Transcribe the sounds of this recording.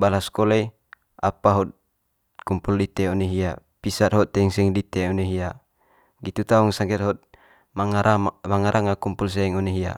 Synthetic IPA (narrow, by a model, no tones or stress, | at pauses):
balaskɔlɛ | apaɦɔt̪̚ | kumpuldit̪ɛɔneɦia | pisat̪̚ɦɔt̪ːɛŋsɛŋdit̪ɛɔneɦia | ɡit̪ut̪auŋsaŋkɛt̪̚ɦɔt̪̚ | maŋaɾamaŋaɾʔaŋakumpuls̬ɛŋɔneɦia̰